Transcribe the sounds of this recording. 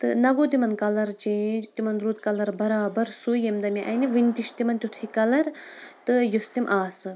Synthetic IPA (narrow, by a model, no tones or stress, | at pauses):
t̪ɨnɐɡoːt̪imɐnkɐlɐɾt͡ʃẽːt̪imɐnɾuːt̪kɐlɐɾbɐɾaːbɐɾsujemd̪ɐmiʔɐniʋinʲt̪iʃt̪imɐnt̪ʲut̪ʰikɐlɐɾt̪ɨjost̪imʔaːsɨ